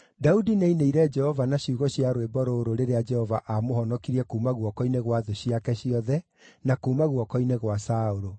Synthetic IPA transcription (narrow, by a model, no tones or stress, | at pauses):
daudineineiɾɛd͡ʒɛhɔvanaɕiuɣɔɕjaɾoebɔɾoːɾoɾeɾead͡ʒɛhɔvaʔamoɦɔnɔkiɾiɛkuːmaɣwɔkɔineɣwaðoɕiakɛɕiɔðɛ | nakuːmaɣwɔkɔineɣwasaoɾo